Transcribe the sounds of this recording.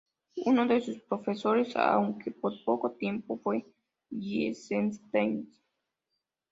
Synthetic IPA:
unod̪esuspɾofesoɾesa̰uŋkepoɾpokot̪jempopwe | jesenst̪ens

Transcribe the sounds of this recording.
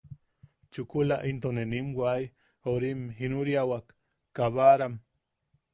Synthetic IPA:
t͡ʃukulaʔint̪onenimwaj | oɾimɦinuɾjawakː | aβaɾam

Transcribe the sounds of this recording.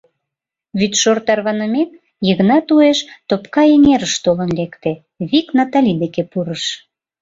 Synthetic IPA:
βyt̪ʃort̪ɑrβɑnəmek̪ | jəɣnɑt̪ueʃt̪opkɑeŋeɾəʃt̪olə̆nlekt̪e | βiknɑt̪ɑlʲid̪ekepuɾəʃ

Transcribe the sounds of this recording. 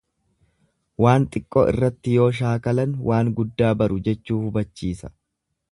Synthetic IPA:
waːnt̪ʼɪkʼːɔ̰ʔɪ̰rːɐt̪ːɪjo̞ːʃ̬aːkɐlɐnwʔaːŋɡʊd̪ːaːbɐɾʊd͡ʒɛt͡ʃːuːhʊbɐt͡ʃːiːsɐ̥

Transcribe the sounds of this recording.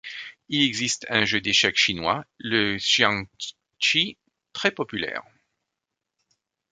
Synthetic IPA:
ilɛɡzist̪ɛ̃ʒød̪eʃɛkʃinwaləʃjɑ̃ | ʃi | t̪χɛpɔpylɛ̰ːʁ

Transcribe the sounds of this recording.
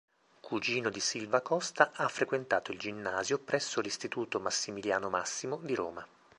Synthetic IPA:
kʰud͡ʒiːnod̪isilvakɔst̪aʔafɾekwent̪aːt̪oild͡ʒinːaːzjopɾʔɛsːolist̪it̪uːt̪omasːimiljaːnomasːimod̪iɾo̰ːma

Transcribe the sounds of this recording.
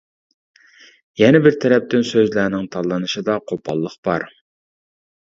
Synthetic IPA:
jɛnɛbɪɾt̪ʰɛɾɛp̚t̪ɪnsøzlænɪŋt̪ʰɑlˠːɨnɨʃɨd̪ɑqʰopʰɑ̰lˠːəχb̥ɑ̰ɾ

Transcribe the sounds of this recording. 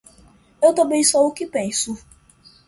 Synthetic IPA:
ewt̪ɐ̃mbẽj̃soukɪpẽsʊ

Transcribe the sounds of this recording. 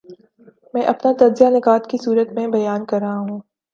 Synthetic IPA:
mɛ̃ːʔɐpnat̪ɐdzijanɪkaːt̪kisuːɾət̪mẽbɐjaːnkɐɾːaɦaɦũː

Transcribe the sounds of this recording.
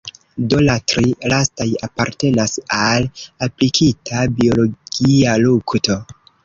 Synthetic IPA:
dolatɾilastajapaɾte̞nasalaplikʰitʰabio̞lo̞ɡ̥ialukto̞

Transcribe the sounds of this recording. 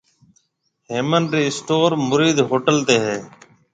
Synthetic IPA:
ɦeːmənɾiːsʈoːɾmʊɾiːd̪ɦoːʈəlt̪eːɦeː

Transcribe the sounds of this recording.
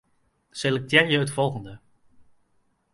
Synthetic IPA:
sɪlək̚tɛːɹjəɦətfɔlˠχəndə

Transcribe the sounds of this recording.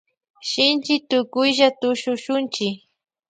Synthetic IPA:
ʃɪnt͡ʃɪt̪ʊkʊjʒat̪ʊʃʊʃʊnt͡ʃɪk

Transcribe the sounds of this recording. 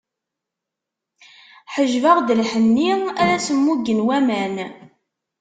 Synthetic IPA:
ħəʒvəʁd̪əlħənːiæɾæsəmːuɡənwæmæn

